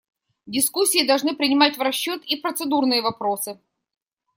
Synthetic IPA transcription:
dʲɪskusʲːiːd̪ɐlˠʐnɨpɾʲɪnʲɪmatʲvrɐɕːot̪ipɾət̪sɨd̪urnɨjəvɐpɾo̞sɨ

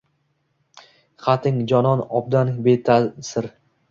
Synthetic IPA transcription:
χat̪ʰɪŋd͡ʒɒnɒnɒb̚d̪anbet̪ʰasɪɾ

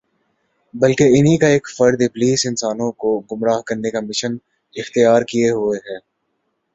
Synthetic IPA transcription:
bɐlkeɪnɦikaeːkfɐɾd̪epliːsɪnsaːnõkoɡʊmɾaːɦkɐɾnekamɪʃən | ɪxt̪ijaːɾkieɦʊeɦɛː

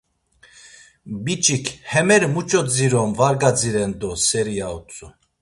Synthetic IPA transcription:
bit͡ʃʼikʰhɛmɛɾmut͡ʃʼɔd͡ziɾɔmvaɾɡad͡ziɾɛnd̪ɔsɛɾijaut͡sʼu

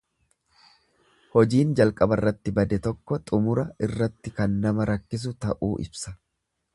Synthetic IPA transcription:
hɔd͡ʒiːnd͡ʒɐlkʼɐbɐrːɐt̪ːɪbɐd̪ɛt̪ɔkːɔt̪ʼʊmʊɾɐɪrːɐt̪ːɪkɐnːɐmɐɾɐkːɪs̬ʊt̪ɐʔuːʔɪ̰bsɐ̥

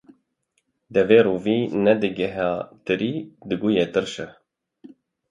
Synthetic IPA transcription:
d̪ɛveːɾuːviːnɛd̪ɨɡɛɦaːt̪ɨɾiːd̪ɨɡujeːt̪ɨɾʃɛ

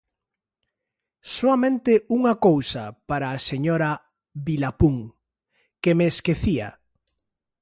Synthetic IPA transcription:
soamẽnt̪ɪuŋakowsa̰paɾaːseɲoɾa | βilapuŋ | kemeːskeθia̰

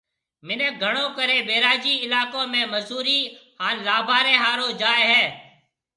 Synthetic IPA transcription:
mɪnẽːɡʱəɽõːkəɾeːbeːɾaːd͡ʒiːɪlaːkõːmẽːməzuːɾiːhaːnlaːbʱaːɾẽːɦaːɾõːd͡ʒaːeːɦɛː

